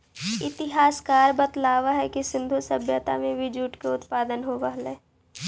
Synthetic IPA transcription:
ɪt̪ɪɦaːskaːɾbət̪laːʋaɦɛkisɪ̃nd̪ʱusəbʱjət̪amẽʋɪd͡ʒuːʈkeʊt̪paːd̪ənɦoʋəɦleː

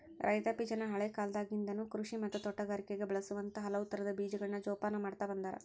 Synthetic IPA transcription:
ɾʔɐ̰jt̪ɐpid͡ʒɐnɐɦɐɭekaːld̪aːɡind̪ɐnuːkɾuʂimɐt̪ːɐt̪ɔʈːɐɡaːɾikeɡebɛɭɐsuʋɐnt̪ɐɦɐlɐʋut̪ːɐɾɐd̪ɐbiːd͡ʒɐɡɐɭinɐd͡ʒɔːpaːnɐmaːɽt̪ɐbɐnd̪aːɾɐ̰

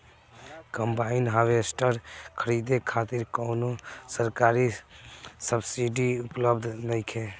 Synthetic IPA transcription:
kə̃mbaːɪnɦaːʋesʈəɾkʰəɾiːd̪ekʰaːt̪ɪɾkɔːnosəɾkaːɾi | səbsiɖiʊpləbd̪ʱnəikʰeː

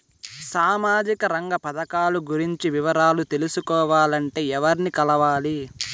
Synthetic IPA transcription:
saːmaːd͡ʒikɐɾɐŋɡɐpɐd̪ɐkaːluɡuɾiɲt͡ʃiʋiʋɐɾaːlut̪e̞lusukɔːʋaːlɐɳʈe̞ːɛʋɐɾnikɐlɐʋaːli

